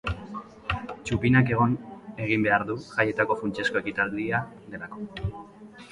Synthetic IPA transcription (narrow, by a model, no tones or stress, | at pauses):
t͡ʃupinake̞ɣ̞o̞ne̞ɣ̞imbe̞aɾðuʝaje̞t̪ako̞funt͡ʃe̞sko̞e̞kit̪ald̪ia | d̪e̞lako̞